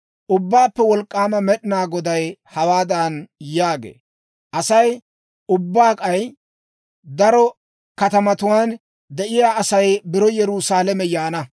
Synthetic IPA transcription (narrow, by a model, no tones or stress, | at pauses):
ʔʊbːaːpːɛwɔlkʼːaːmɐmɛɗɪnaːɡɔd̪ɐjhɐwaːd̪ɐnjaːɡḛː | ʔɐsɐj | ʊbːaːkʼɐj | d̪ɐɾɔ | kɐt̪ɐmɐt̪ʊwaːn | d̪ɛʔɪjaːʔɐsɐjbɪɾɔjɛɾuːsaːlɛmɛjaːnɐ